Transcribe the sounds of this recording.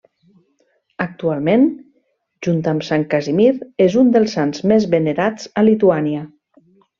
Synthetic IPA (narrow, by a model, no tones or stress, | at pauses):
ək̚t̪ualˠmen | ʒunt̪amsaŋkazimiɾezund̪əlˠsanzmezβeneɾat͡səlit̪uaniə